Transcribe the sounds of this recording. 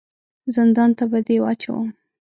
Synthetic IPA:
zɪnd̪ɑnt̪abad̪ewɑ̰t͡ʃa̰wṵ

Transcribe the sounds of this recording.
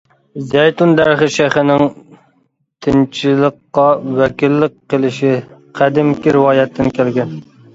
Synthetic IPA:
zɛjt̪und̪æɾɪχɪʃæχɪnɪŋ | t̪ʰɪnt͡ʃʰɪlˠəqːɑwɛkʲilːɪqqːəlˠɪʃɪ | qʰæd̪ɪmkʲiɾɪwɑːjɛt̪ʰːɪnkʲʰælɡʲɛn

